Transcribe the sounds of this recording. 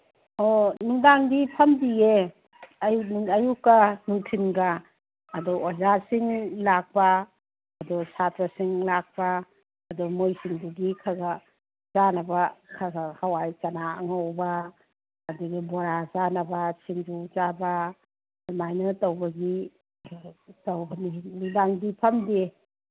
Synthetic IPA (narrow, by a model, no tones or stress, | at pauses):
ɔnuŋdaŋdipʰɐmdie | ɐjnŋɐjukːɐnuŋtʰinɡaː | dɔozasiŋlak̚paː | dɔsatɾasiŋlak̚paː | dɔmojsiŋduɡikʰaɡa | zanɐbakʰaɡhawajt͡ʃɐnaɐ̰ŋawbaː | duɡiboɾazanɐbasiŋd͡ʒud͡ʒaba | majnɐtɐwbɐɡi | tawbɐnilibaŋdipʰɐmde